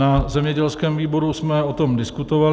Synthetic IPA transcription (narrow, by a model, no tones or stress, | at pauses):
azɛmɲɛɟɛlskɛːmviːbo̞ɾusmɛot̪o̞mdɪskut̪ova